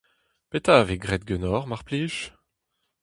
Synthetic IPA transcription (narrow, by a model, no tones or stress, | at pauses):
pet̪aveɡʁɛt̪̚ɡønɔʁmaʁpliʃ